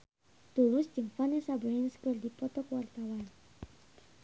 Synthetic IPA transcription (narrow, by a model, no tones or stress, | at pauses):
t̪ulʊsd͡ʒɨŋfanɛsabɾɛnskərdipɔt̪ɔkwart̪awan